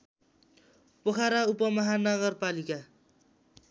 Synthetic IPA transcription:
pokʰaɾaupʌmʌɦanʌɣʌrpalika

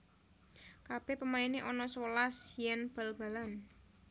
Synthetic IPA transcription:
kab̥ɛpəmaineʔɔnɔswəlasjɛnb̥əlb̥a̤lan

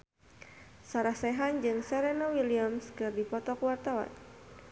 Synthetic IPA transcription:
saɾahsɛɦand͡ʒɨŋsɛɾenawiliamskɨrdipɔt̪ɔkuwart̪awa̰n

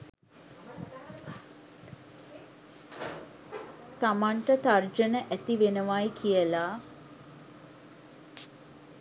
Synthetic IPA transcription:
t̪amaɳʈət̪ard͡ʒənəʔæt̪iʋenəʋajkʰijəla

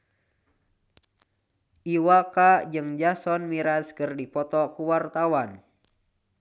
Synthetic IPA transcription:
ʔiwakad͡ʒɨŋd͡ʒasɔnmiɾaskɨrdipɔt̪ɔkuwart̪awan

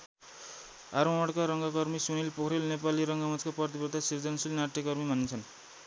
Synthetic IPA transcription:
aɾõʌɽkaɾʌŋɡʌkʌrmisunilpokʰɾelnepaliɾʌŋɡamʌt͡skaprʌrt̪̬ibʌt̪ʰasird͡zʌnsilnaʈːjekʌrmibʱʌnet͡sʰʌn

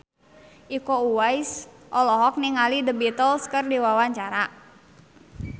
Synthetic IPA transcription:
ʔikouwajsʔɔlɔɦɔk̚niŋalidəbit̪əlskərdiwawaɲt͡ʃaɾa

